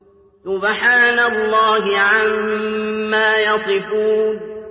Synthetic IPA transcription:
sʊbħaːnalːɑːɦɪʕamː | aːjɑsˤɨfuːn

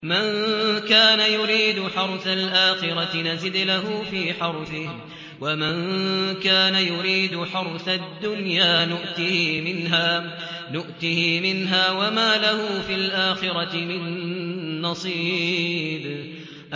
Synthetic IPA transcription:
mankaːnajʊɾiːd̪ʊħɑɾˤθalʔaːxɪɾˤɑt̪ɪnazɪd̪laɦʊfiːħɑɾˤθɪh | wamankaːnajʊɾiːd̪ʊħɑɾθad̪ːʊnjaːnʊʔt̪ɪhɪmɪnɦaːnʊʔt̪ɪhɪmɪnɦaːwamaːlahʊfilʔaːxɪɾɑt̪ɪmɪnː | ɑsˤiːb | ʔ

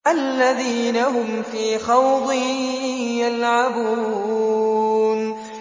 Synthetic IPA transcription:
ʔalːaðiːnaɦʊmfiːxɑwd̪ˤɨhjalʕabuː | n

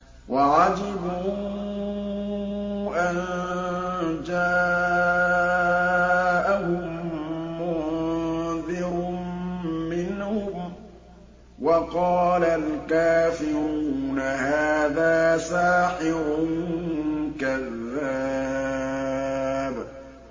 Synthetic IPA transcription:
waʕad͡ʒɪbu | ʔan | d͡ʒaː | ʔahʊmmʊ | ðɪɾ | mɪnhʊm | wɑqɑːlalkaːfɪɾɾuːnahaːðaːsaːħɪɾʊn | kaðːa | b

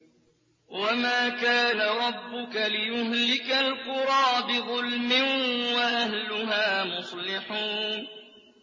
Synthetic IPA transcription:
wamaːkaːnaɾˤɑbːʊkalɪjʊɦlɪkalqʊɾˤɑːbɪðˤʊlmɪwaʔahlʊɦaːmʊsˤlɪħuːn

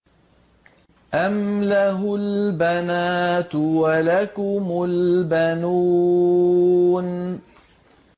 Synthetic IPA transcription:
ʔamlaɦʊlbanaːt̪walakʊmʊlbanuː | n

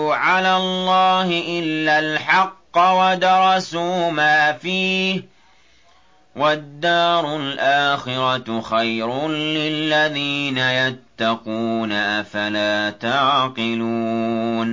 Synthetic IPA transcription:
ʕalaːlˤːɑːhɪʔɪlːaːlħɑqːɑwad̪ɑɾˤɑsuːmaːfiːh | wʔad̪ːɑːɾʊlʔaːxɪɾɑxajɾʊlɪlːaðiːnajat̪ːɑquːnaʔafalaːt̪aʕqɪluːn

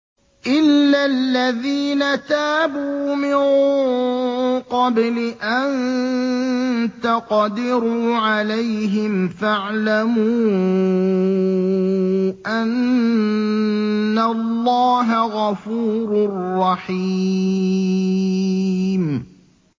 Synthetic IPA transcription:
ʔɪlːalːaðiːnat̪aːbuːmɪn | qɑblɪʔan | t̪aqɑd̪ɪɾuːʕalajɦɪmfaʕlamuː | ʔan | alːɑːɦaɣɑfuːɾʊrːɑħi | m

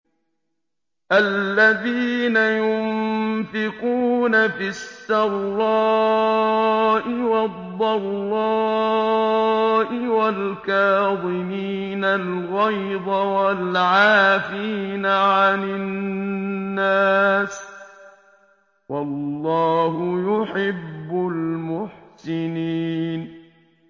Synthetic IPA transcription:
ʔalːaðiːnajʊmmfɪquːnafɪsːɑɾɾɑː | ʔɪwɑd̪ˤːɑlːɑː | ʔɪwalkaːðˤɪmiː | nalɣɑjd̪ˤawalʕaːfiːnaʕanɪnnːaːs | wɑlːɑːhʊjʊħɪbːʊlmʊħsɪniːn

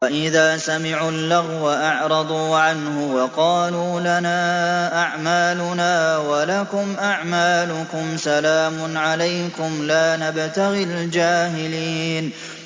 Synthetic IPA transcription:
waʔɪðaːsamɪʕuːlːaɣwaʔɑʕɾˤɑd̪ˤuːʕanhʊwɑqɑːluːlanaːʔaʕmaːlʊnaːwalakʊmʔaʕmaːlʊkʊmsalaːmʊnʕalajkʊmlaːnabt̪aɣɪld͡ʒaːɦɪliːn

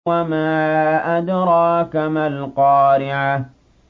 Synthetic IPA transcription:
amaːʔadɾˤɑːkamalqɑːɾɪʕa

